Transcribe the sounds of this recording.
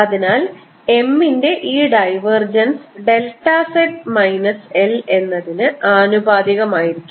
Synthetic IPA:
ɐðinaːl | e̞mːinde̞ʔiːɖɐjʋɐrd͡ʑɐnsɖe̞lʈːaseʈ̚mɐjnɐse̞le̞nːɐðinɨaːnubʱaːd̪iɣɐmaːjiɾikʲːum

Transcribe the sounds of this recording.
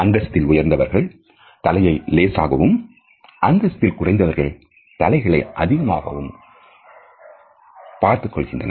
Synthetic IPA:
ɐnd̪ɐst̪ːɪlʊjɐɾnd̪ɐʋɐɾɣɐɭ | t̪ɐlɐjɐɪleːsa̰ːɣɐʋɯm | ʔɐnd̪ɐst̪ɪlkʊrɐɪnd̪ɐʋɐɾɣɐɭ | t̪ɐlɐɪɣɐɭɐɪʔɐðɪɣɐmaːɣɐ̰ʋɯm | paːɾt̪ɯkːɔɭɣɪndrɐ̰nɐ

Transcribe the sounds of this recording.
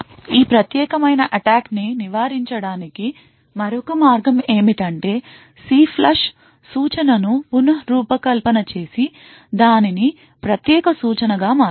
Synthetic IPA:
iːpɾɐt̪jɛːkɐmɐjnɐʔɐʈaːkniniʋaːɾiɲt͡ʃɐɽaːniki | mɐɾɔkɐmaːɾɡɐme̞ːmiʈɐɳʈe̞ː | siːpʰlɐʂ | suːt͡ʃɐnɐnupunɐɦɐɾuːpɐkɐlpɐnɐt͡ʃe̞ːsi | d̪aːnini | pɾɐt̪jɛːkɐsuːt͡ʃɐnɐɡaːmaː

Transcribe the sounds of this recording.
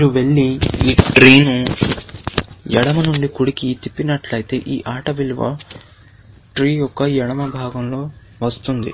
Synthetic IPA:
ɾuʋeɭːiiːʈɾiːnu | jɛɽɐmɐnuɳɖikuɽikit̪ipːinɐʈlɐjit̪e̞ːʔiːʔaːʈɐʋilʋɐ̰ | ʈɾiːjɔkːɐjɛɽɐmɐbʱaːɡɐmlo̞ː | ʋɐst̪und̪ḭ

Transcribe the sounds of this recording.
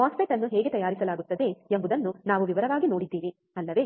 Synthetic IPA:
ɦaːspiʈɐnːuɦeːɡet̪ɐjaːɾisɐlaːɡut̪ːɐd̪e̞embud̪ɐnːunaːʋuʋiʋɐɾɐʋaːɡino̞ːɽid̪ːiːɾi | ɐlːɐʋe̞ː

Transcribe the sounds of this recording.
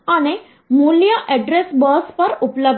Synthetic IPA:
añe | muljaʔɛɖɾesbəspəɾupləb

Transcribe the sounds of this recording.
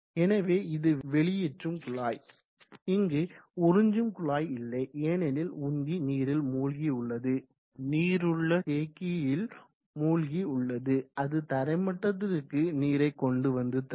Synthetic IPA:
ɛnɐʋeːɪðɯʋɛɭɪjɛʈrɯmkʊɭaːj | ɪŋɡeʊɾɯɲd͡ʒɯmkʊɭaːjɪlːɐɪʔeːnɛlɪlʊnɡ̪iniːɾɪlmuːlɣiʊɭːɐðɯ | niːɾɯɭːɐkeːkːɪjɪl | muːlɣiʊɭːɐðɯɐðɯt̪ɐɾɐɪmɐʈːɐðɪɾɯkːɯniːɾɐɪkːɔɳɖɯʋɐnd̪ɯt̪

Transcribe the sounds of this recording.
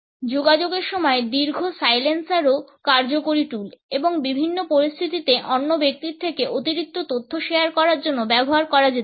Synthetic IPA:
d͡ʑoɡad͡ʑoɡeɾʃɔmɔed̪iɾɡʱosajlensaɾokaɾd͡ʑokoɾiʈuleboŋbibʱinːopoɾist̪ʰit̪it̪eʔɔnːobek̚t̪iɾt̪ʰekeʔot̪iɾik̚t̪ot̪ot̪ʰːoʃeaɾkɔɾaɾd͡ʑonːobɛboɦaɾkɔɾad͡ʑet̪e

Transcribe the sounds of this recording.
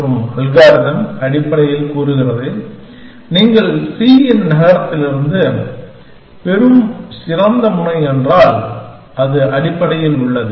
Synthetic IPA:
ɾɯmɐlɣaːɾɪðɐmɐɽɪpːɐɽɐjɪlkuːɾɯɣɪrɐðɯ | niːŋɡɐɭsiːɛnnɐɣɐɾɐt̪ːɪlɪɾɯnd̪ɯ | pɛɾɯmsɪɾɐnd̪ɐmʊɳɐɪɛndraːl | ɐðɯʔɐɽɪpːɐɽɐjɪlʊɭːɐðɯ

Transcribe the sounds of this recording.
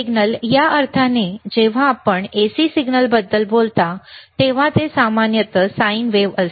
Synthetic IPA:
iɡnəljaʔəɾt̪ʰaned͡ʑeʋ̤aːpəɳesisiɡnəlbəd̪ːəlbolt̪at̪eʋ̤at̪esamanjət̪əsainʋeʋəs

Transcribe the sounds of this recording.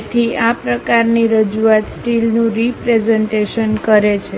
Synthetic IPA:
t̪ʰiapɾəkaɾniɾəd͡ʒuat̪sʈilnũɾipɾezeɳʈeʃənkəɾet͡ʃʰe

